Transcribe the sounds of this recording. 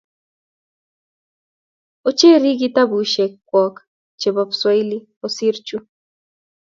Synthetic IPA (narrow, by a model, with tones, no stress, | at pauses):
o˦t͡ʃe˦ɾi˦ɡɪ˦ta˦bu˨ʃe˨kːwɔ˨k | t͡ʃe˨bɔ˨pswɔ˦ɪ˦li˦ | o˨si˦ɾt͡ʃu˦